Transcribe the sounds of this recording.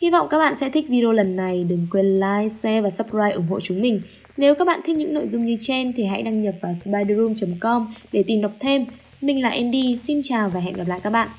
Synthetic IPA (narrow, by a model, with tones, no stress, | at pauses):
hi˧vɔ̰˧˨wŋ͡mkaː˦˥k̚ɓa̰ː˧˨nsɛ̰˧˥t̪ʰï˦˥k̟̚vi˧ɗo˧lə˨˩nːa˨˩jɗɨ˨˩ŋkwe˧nlaː˧˥jsɛ˧vaː˨˩sə˦˥p̚zaː˧jʔʊ̰˧˩ŋ͡mɦo̰˧˨t͡ɕʊ˨˦ŋ͡mmï˨˩ŋ̟ | ne˨˦wkaː˦˥k̚ɓa̰ː˧˨t̪ʰi˦˥ɲɨ̰˧˥ŋno̰˧˨jzʊ˧ŋ͡mɲɨ˧t͡ɕe˧nt̪ʰi˨˩ɦa̰˧˥jɗaː˧ŋɲə˨˩p̚vaː˨˩spaː˧jɗzu˧mt͡ɕə˨˦mkɔ˧mɗe˧˩t̪i˨˩mɗa˨˩k͡p̚t̪ʰe˧mː | ï˧˩ŋ̟la̰ː˨˩ʔɛ˧nɗi˧si˧nt͡ɕaː˨˩wvaː˨˩ɦɛ̰˧˨nɣa˨˩pla̰ː˧˨jkaː˦˥k̚ɓa̰ː˧˨ʔ